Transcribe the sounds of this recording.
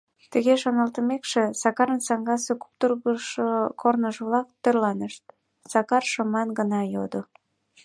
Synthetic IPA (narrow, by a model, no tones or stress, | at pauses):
t̪əɣeʃonɑlt̪əmekʃesɑkɑɾənsɑŋɡɑseku̥pt̪urɣəʃkʰornəʒəβlɑk̚t̪ːørlɑnəʃt̪̚ | sɑkɑrʃəmɑnɡənɑjod̪o